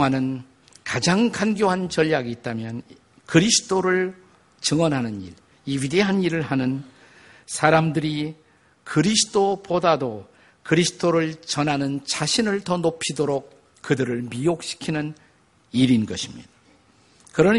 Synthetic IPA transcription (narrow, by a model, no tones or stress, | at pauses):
anɯn | kad͡ʑaŋkanɡjoɦant͡ɕʌʎjaɡiːt̚t͈amjʌn | kɯɾisʰɯ̥t͈oɾɯɭ | t͡ɕɯŋʌnɦanɯnḭɾ | iɥideɦaniɾɯɭɦanɯn | sʰaɾamdɯɾi | kɯɾisʰɯ̥t͈opodado | kɯɾisʰɯ̥t͈ʰoɾɯɭt͡ɕʌnɦanɯnt͡ɕaɕʰinɯɭtʌnopʰidoɾok̚ | kɯdɯɾɯɭmiok̚ɕ͈ʰi̥kʰinɯn | iɾinɡʌɕʰimɲia | kɯɾʌn